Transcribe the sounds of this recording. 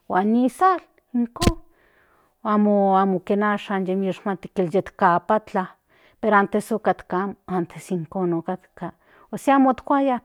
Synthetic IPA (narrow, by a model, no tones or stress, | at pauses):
wanːisal | iŋkon | amoamokenaːʃanjemeʃmat̪i̥keljet̪kapat͡ɬa | peɾoant̪esokat̪kaamoant̪ʰesiŋkonokat̪ka | osiamot̪kʷaja